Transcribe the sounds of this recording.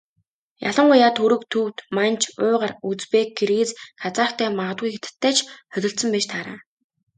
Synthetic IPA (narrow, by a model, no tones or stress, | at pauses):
ja̰ɮə̆ɴɢujaːt̪ʰɵɾɵ̆kt̪ʰuwt̪mant͡ɕʰʊːʁărut͡spek̚ɡeɾɣeːt͡skʰat͡saːkt̪ʰæːmaʁə̆t̪̚ɡujxet̪ɘ̥̆t̪ʰːæːt͡ɕʰhœt̪ʲɪ̆ɬt̪sə̆mpæːʃt̪ʰaːɾa̰ː